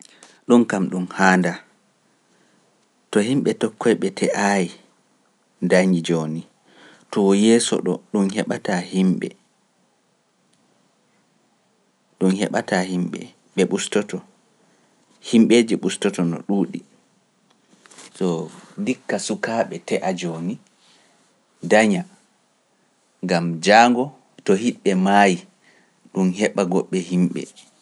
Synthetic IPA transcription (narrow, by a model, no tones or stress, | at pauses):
ɗunkamɗumhaːnda | tɔhimɓɛtɔkːɔjɓɛtʰɛʔaji | ndaɲid͡ʒoːni | tɔwɔjɛːsɔ̰ɗɔ̰ɗunhɛɓatahimɓɛ̰ | ɗunhɛ̰ɓa̰tahimɓɛ̰ | ɓɛɓustɔtɔ | himɓeːd͡ʒɛɓustɔtɔnɔ̰ɗuːɗi | sɔdikːasukaːɓɛtɛʔad͡ʒoːni | daɲa | ŋɡamd͡ʒaːŋɡɔ | tɔhiɓɓɛmaji | ɗunɦɛɓaɡɔɓːɛhimɓɛ̰